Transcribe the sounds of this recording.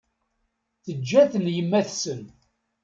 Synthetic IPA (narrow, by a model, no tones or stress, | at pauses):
θəd͡ʒːæθənjəmːæθsən